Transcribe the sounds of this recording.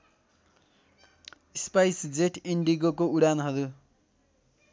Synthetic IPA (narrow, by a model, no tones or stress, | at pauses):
ispajsd͡zeʈʰeɳɖiɡokouɽanɦʌɾu